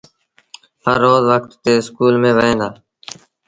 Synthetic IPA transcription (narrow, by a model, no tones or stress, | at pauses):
həɾːoːzʋək̚t̪ːeːɪskuːlmẽːʋəẽːnd̪aː